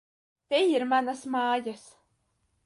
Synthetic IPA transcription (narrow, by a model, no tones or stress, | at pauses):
t̪ʲejiɾmanasmɑːjas